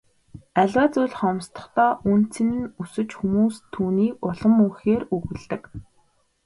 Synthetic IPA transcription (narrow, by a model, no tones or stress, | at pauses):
æɮʲæːt͡sʊjɮχɔmst̪ɞ̥̆χt̪ɔːʔun̥t͡sɘ̆nɘ̆nusɘ̆t͡ɕxumuːst̪ʰuːniːkʊɮɞ̆muxeːruɣɘ̆ɮt̪ɘ̆k